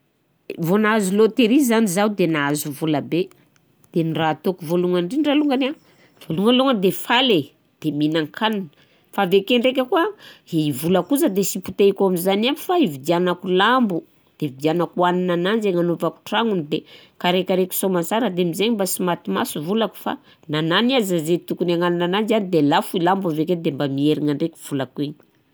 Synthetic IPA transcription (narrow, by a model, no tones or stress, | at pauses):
vonazulot̪eɾizanizawd̪enaazuvuləbe | d̪̥eniraːt̪okuvoluŋaɳɖ͡ʐiɳɖ͡ʐaluŋɡana | v̥oluŋɡaluŋənd̪efale | d̪̥eminaŋkʰanin | favekeɳɖ͡ʐek̬ʲakuaivulakuzad̪esiput̪ekʲamizanami̥faivid̪ianakulambu | d̪̥evid̪ianakuaninanand͡ʒeŋanovaku̥ʈ͡ʂaŋunid̪ekaɾekʲaɾekʲu̥somansaɾad̪emizeɲimbasimat̪imasuvulaku̥fa̰ | nananiazazet̪ukunaŋaninananzanid̪elafuilambuaveked̪embamieɾiŋaɳɖ͡ʐekʲu̥v̥ulakueɲi̥